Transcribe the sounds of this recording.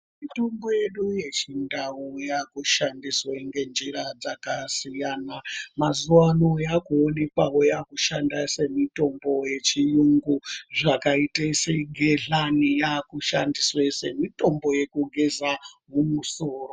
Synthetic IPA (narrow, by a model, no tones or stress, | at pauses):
mito̞mbo̞je̞ɗuje̞t͡ʃindawujakuʃandisweŋɡe̞nd͡ʒiɾad͡zakasijanamazuwano̞jakuone̞kwawojakuʃandase̞mito̞mbo̞je̞t͡ʃijuŋɡuʐakaiteseɡʱeɮanijakuʃandiswe̞se̞mito̞mbo̞je̞kuɡʱezamumuso̞ːro